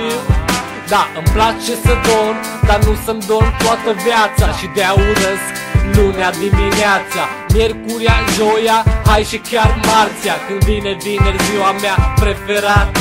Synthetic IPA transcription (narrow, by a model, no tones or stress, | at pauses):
d̪aɨmplat͡ʃe̞səd̪o̞n | d̪anusəmd̪o̞nt̪oat̪əvjat̪saʃid̪eauɾəs | lunead̪imineat̪sa | mje̞rkuɾianʒo̞jahajʃikʲjarmart̪sijakɨnd̪vine̞vinerziwameapɾe̞fe̞ɾat̪